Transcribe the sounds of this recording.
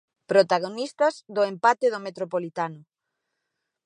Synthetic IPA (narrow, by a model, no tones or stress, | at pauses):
pɾot̪aɣ̞onist̪ɐzd̪ʊempat̪eðomet̪ɾopolit̪anʊ